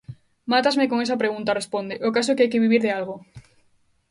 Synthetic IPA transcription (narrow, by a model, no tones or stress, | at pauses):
mat̪azmekoŋesɐpɾeɣunt̪arespond̪ɪʔʊkas̬ʊɛkeajkɪβiβiɾðɪalɣo